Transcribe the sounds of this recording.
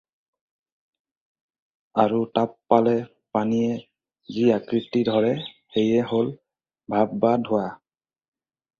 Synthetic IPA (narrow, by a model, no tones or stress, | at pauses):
aɹutapːalɛ | panijɛ | ziakɹitidʱɔɹɛ | xejɛɦol | bʱabːadʱʊa